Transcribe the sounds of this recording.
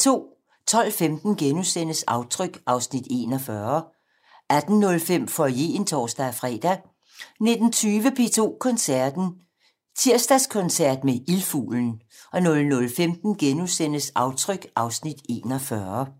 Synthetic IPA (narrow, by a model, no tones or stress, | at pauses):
t͡sʰo̝̰ː | t͡sʰɒ̽l̰femd̥n̩ɡ̥enusen̰əsɑ̈ʊt͡sʰʁœɡ̥ʔɑ̈ʊsnid̥e̝̰nɒfɶɐ | æd̥n̩ːɔ̽lfem̰fɒje̝ːnt͡sʰɒ̰ːsd̥æfʁɛ̰ːd̥æ | ne̝d̥n̩t͡sʰyːʋəpʰe̝ːt͡sʰo̝̰ːkʰɒ̽nsæɐ̰d̥n̩ | t͡sʰiɐ̰sd̥æskʰɔ̽nsæɐ̰d̥meʔilfṵːln̩ | ɒ̽nɔ̽lnɔ̽lfemd̥n̩ɡ̥enusen̰əsɑ̈ʊt͡sʰʁœɡ̥ʔɑ̈ʊsnid̥e̝̰ːnɒfɶɐ